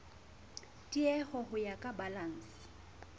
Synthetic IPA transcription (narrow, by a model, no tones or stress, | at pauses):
tʼiɛhɔhʊjakʼabalan̩ːsɪ̥